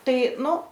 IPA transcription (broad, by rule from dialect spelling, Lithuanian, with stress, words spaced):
ˈtɐɪ ˈnʊ